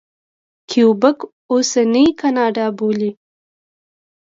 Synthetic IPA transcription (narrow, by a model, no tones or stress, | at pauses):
kʰijobək | osanijkanɑːɖɑboli